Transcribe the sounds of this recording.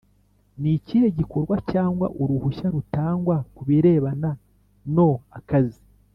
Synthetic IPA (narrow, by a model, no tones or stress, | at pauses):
nicieɟiko̞ɾɡwacaːŋɡwa̰ʔuɾuhuʃaɾutaːŋɡwakuβiɾe̞ːβana | no̞akazi